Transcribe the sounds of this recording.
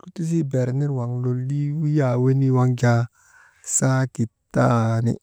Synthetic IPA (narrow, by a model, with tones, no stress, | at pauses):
ku˦tu˦s̬i˦bɛ˨ɾni˦ɾwa˨ŋlo˨li˦wi˦ja˨we˦ni˦wa˦ŋd͡ʒa˦ | sa˦ki˨tːa˦nḭ˦